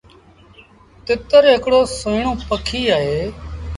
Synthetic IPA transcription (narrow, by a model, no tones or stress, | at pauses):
t̪ɪt̪əɾɦɪkɽoːsoɪɳ̃õːpəkʰiːaːɦeː